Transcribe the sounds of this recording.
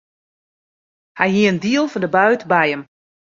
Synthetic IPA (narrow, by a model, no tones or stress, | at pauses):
hɛjɦiəəndiəlˠfɔndəbœɥtbɛjəm